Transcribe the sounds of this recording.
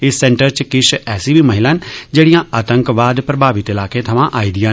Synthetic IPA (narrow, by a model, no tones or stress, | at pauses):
ɪsːɛ̃ːɳʈəɾt͡ʃkɪʃɛːsiːbʱiːməɦɪlaːnd͡ʒeːɽijãːʔaːt̪əŋkʋaːd̪pɾəbʱaːʋɪt̪ɪlaːkẽt̪ʰɐʋãʔaːid̪ijãː